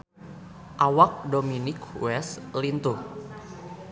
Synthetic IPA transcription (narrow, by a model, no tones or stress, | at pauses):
ʔawak̚dominɪkwɛslint̪u